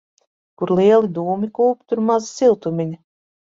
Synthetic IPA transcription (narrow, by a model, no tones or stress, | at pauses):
kuɾlˠiɛlˠid̪uːmikuːp̚t̪uɾmazisilˠt̪umʲiɲi